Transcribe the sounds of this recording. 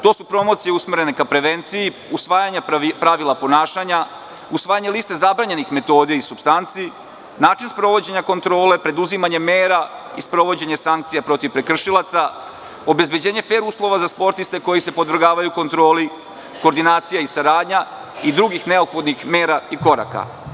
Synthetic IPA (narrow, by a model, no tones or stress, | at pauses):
t̪o̞ːsupɾo̞mo̞t̪sijeusmeɾe̞nekapɾe̞ʋe̞nt̪siji | usʋaːjaɲapɾaʋilapo̞naːʃaɲa | usʋaːjaɲe̞list̪e̞zabɾaɲe̞nixme̞t̪o̞ːd̪ieisubst̪ant̪sii | naːt͡ʃinspɾo̞ʋo̞d͡ʑe̞ɲako̞nt̪ɾo̞ːle̞pɾe̞d̪uzimaɲe̞me̞ːɾaispɾo̞ʋo̞d͡ʑe̞ɲe̞saŋkt̪sijapɾo̞t̪iʋpɾe̞kr̩ʃilˠat̪sa | o̞be̞zbe̞d͡ʑe̞ːɲe̞fe̞ːɾuslˠo̞ʋazaspo̞ɾt̪ist̪e̞ko̞jise̞pod̪ʋr̩ɡaːʋajuko̞nt̪ɾo̞ːli | ko̞ːɾd̪inaːt̪sijaisaɾaːd̪ɲa | id̪ɾuɡixne̞opxod̪nixme̞ːɾaiko̞ɾa̰ka̰